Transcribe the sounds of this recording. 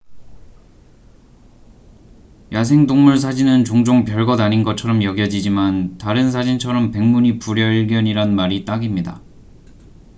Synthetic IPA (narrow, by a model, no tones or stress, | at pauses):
jas̬ʰe̞ŋdoŋmuɭs̬ʰad͡ʑinɯnt͡ɕoŋd͡ʑoŋpjʌɭɡʌdaɲinɡʌt͡ɕʰʌɾʌmjʌɡjʌd͡ʑid͡ʑimantaɾɯns̬ʰad͡ʑint͡ɕʰʌɾʌmpe̞ŋmuɲipuɾjʌiɭɡjʌɲiɾanmaɾit͈aɡimɲida